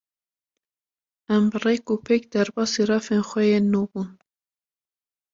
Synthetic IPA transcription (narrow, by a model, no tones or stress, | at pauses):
æmbɨrekuːpʰekd̪æɾbɑːsiɾɑfenxʷɛjenubun